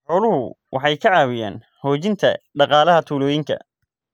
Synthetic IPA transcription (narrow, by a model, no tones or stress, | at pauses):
ħɔːlʊɦʊ | wɑħɑjkʰɐʕɑːwɪja̰ːn | hɔːt͡ʃɪnt̪ʰɐ̰ɖɑqɑːlɐɦɐt̪ʰuːlɔːjɪŋkʰɐ̰